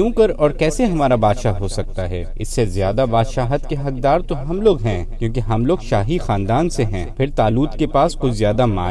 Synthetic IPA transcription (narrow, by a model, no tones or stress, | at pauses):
ũːkɐɾɔːɾkɛːseɦɐmaːɾabaːd̪ʃaɦosɐk̚t̪aɦɛ̰ːɪsːezjaːd̪abaːd̪ʃaːɦət̪keɦɐk̚d̪aːɾt̪oɦɐmloːɡɦɛ̃ːkjõːk̬eɦɐmloːɡʃaːɦixãːnd̪aːnseɦɛ̃ːpʰɪɾt̪aːluːt̪kepaːskʊt͡ʃʰzjaːd̪ama̰ː